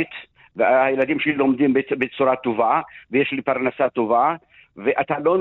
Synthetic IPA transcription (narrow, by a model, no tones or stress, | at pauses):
it̪ | vehajelad̪imʃelilomd̪imbebet͡suɾat̪ovavejeʃlipaʁnasat̪ova | veʔat̪alon